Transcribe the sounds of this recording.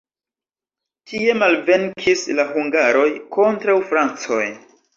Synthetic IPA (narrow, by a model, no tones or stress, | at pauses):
tie̞malve̞ŋkʰislahuŋɡaɾo̞jko̞ntɾawfɾant͡so̰j